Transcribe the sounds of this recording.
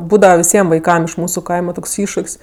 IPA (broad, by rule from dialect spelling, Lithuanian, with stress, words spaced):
ˈbuːdɐʋɐ ʋʲɪˈsʲiɛm ʋɐɪˈkɐm ɪʃ ˈmuːsʊ ˈkɐɪmɐ ˈtoːks ˈɪʃʃʊkʲsʲ